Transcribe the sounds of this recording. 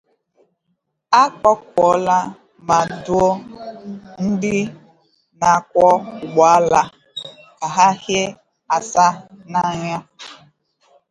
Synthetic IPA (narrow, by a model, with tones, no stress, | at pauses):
a˦kɔ˦kʷɔ˦la˦ | ma˨dʊ˦o˦ | n̩˦dɪ˦ | na˨kʷɔ˦ʊ˨ɡ͡ba˨˦la˦ | ka˨ɦa˦hje˦ | a˨sa˦na˨ɲa˦